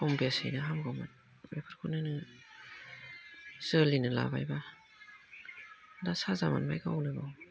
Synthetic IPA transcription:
ɔmbiasɯ̰jnaɦamɡawmat | bepʰaɾkʰunɯnɯ | z̥əlinɯla̰bajba | dasazama̰nbajɡawnɯɡaw

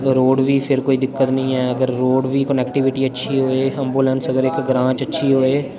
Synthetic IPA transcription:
ɾoːɖʋiːpʰɪɾkoːiːd̪ɪkːət̪nəĩːɛːəɡəɾːoːɖʋiːkənɛːkʈɪʋɪʈiːətːʃʰiːɦoːeːəmbuːlənsəɡəɾɪkɡɾãːt͡ʃətːʃʰiːɦoːeː

